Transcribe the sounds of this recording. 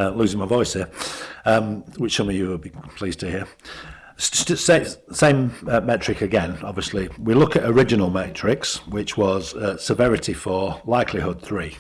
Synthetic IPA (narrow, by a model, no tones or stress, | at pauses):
əlʉːzɪ̃ŋmaɪvɔɪshɪəʌ̃mwɪt͡ʃɛmijəwɪbipʰl̥iːz̥tʰəhiə | ssesẽɪ̃mʌmɛt͡ʃɹ̥ɪkəɡɛ̃nɒbviəsliwilʊkətəɹɪd͡ʒɪnəlˠmɛt͡ʃɹ̥ɪkswɪt͡ʃwɒz̥ʌsəvɛɹɪtifəlaɪkʰlɪhʊd̪̚θɹiː